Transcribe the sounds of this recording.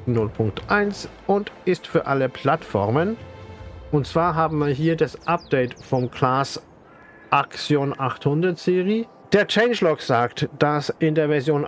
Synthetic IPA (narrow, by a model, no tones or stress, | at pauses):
nʊlpʰʊŋktʔaɪnsʔʊntɪstfyːɐʔaləpʰl̥atfɔ̰ɐmən | ʔʊntt͡sv̥aːɐɦaːbm̩viːɐɦiːɐdasʔap̚d̥ɛɪtfɔmkʰlaːs | ʔakt͡sjoːnʔaχthʊndɐtz̥eːʁi | d̥eːɐt͡ʃɛɪnʃlɔkz̥aːktd̥asʔɪndeːɐvɛɐzjoːn